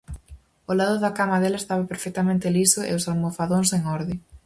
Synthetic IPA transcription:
olaðʊðɐkamaðelɐest̪aβɐpeɾfɛk̚t̪ɐmẽnt̪ɪlisʊḛʊsalmofaðoŋseŋɔɾðɪ

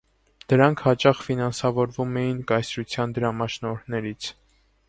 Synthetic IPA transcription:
d̪̥əɾɑŋkʰhɑt͡ʃɑχfinɑnsɑvɔɾvumɛjinkɑjsɾut͡sʰjɑnd̪əɾɑmɑʃnɔɾnɛɾit͡sʰ

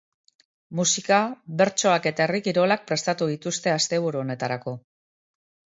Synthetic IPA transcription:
musikaβe̞ɾt͡ʃo̞ake̞t̪aerikiɾo̞lak̚pɾe̞st̪at̪uðit̪ust̪e̞ast̪e̞β̞uɾuo̞ne̞t̪aɾako̞

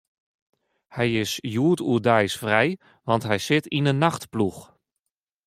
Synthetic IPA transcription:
hɛjɪsjuətuədɛjsfrɛj | ʋɑntɦɛjsɪtinənːaxtplux

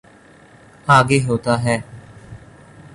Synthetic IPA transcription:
aːɡeːɦoːt̪aːɦɛː

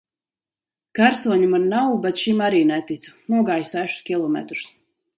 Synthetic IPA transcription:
kaɾsuɔɲimaɾnawbɛt̪ʃimaɾiːnɛt̪it̪su̥nuɔɡaːjsæʃu̥skʲilˠɔmɛ̰t̪ɾu̥s

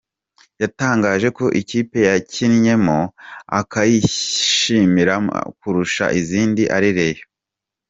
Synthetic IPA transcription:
jataːŋɡaːʒe̞ko̞ʔiciːpe̞jacinɲe̞moa̰kajiʃimiɾakuɾuʃa̰ʔiziːndiʔaɾiɾejo

